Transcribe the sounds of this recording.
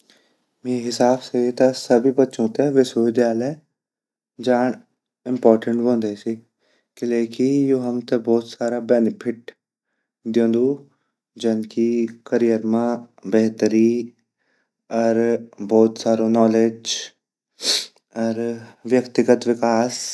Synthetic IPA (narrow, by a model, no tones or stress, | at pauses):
meɦɪsaːbseet̪asɐbʱibɐtːʃõt̪eʋɪsəʋɪd̪ʱjaːlə | d͡ʒaːɳ | ɪ̃mpɔːɾʈə̃ɳʈɦõːnd̪eːsi | keleːkijoːɦɐmt̪ebɔːt̪saːɾabɛːnɪpʰɪʈ | d̪jõːnd̪uː | d͡ʒɐnkikəɾijəɾmãbɛɦt̪əɾi | ɔɾbɔːt̪saːɾonɔːled͡ʒ | ɔɾʋjəkt̪ɪɡət̪ʋɪkaːs